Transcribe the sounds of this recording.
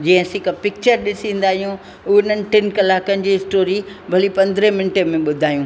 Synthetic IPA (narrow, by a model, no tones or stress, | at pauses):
d͡ʑĩːɦə̃sikapɪk̚t͡ɕəɾɗɪsĩːn̆d̪aːɦijũ | ʊʊn̤ənɪ̆ʈɪnkɐlaːkənɪ̆d͡ʑiːsʈoːɾibʱɐlipɐ̃nd̪ʱɾəmɪnʈemẽɓʊd̪ʱaːijũː